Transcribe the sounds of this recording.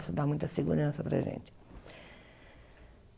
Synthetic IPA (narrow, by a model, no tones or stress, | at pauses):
sʊd̪amũj̃t̪ɐseɡuɾɐ̃sɐpɾɐ̰ʒḛ̃nt͡ʃɪ̥